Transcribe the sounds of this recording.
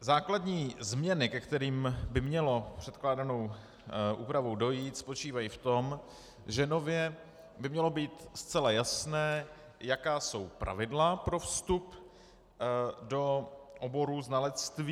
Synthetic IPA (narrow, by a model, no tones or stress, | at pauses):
zaːkladɲiːzmɲɛnɪkɛkt̪ɛɾiːmbɪmɲɛlo̞pr̝̥ɛt̪klaːdano̞w | ʔuːpɾavo̞wdo̞jiːt̪spo̞t͡ʃiːvajift̪o̞m | ʒɛno̞vjɛ | bɪmɲɛlo̞biːt̪st͡sɛlajasnɛː | jakaːso̞wpɾʔa̰vɪdlapɾo̞fst̪up | do̞ʔobo̞ɾuznalɛt͡st̪viː